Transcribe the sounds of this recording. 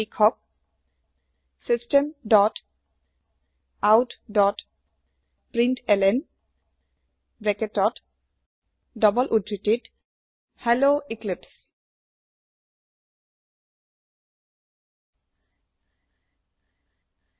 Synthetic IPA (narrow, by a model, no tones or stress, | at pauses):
ikʰɔk̚ | sistemdɔt | awtdɔt | pɹintɛlɛn | bɛketɔt | dɔbɔlʔudɹitid | hɛloiklips